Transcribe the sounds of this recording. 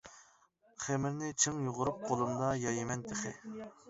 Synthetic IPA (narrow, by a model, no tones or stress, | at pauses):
χemɪɾnɪt͡ʃʰeŋjuʁʊɾup̚qʰolˠumd̪ɑjɑjimɛnt̪ʰeχɪ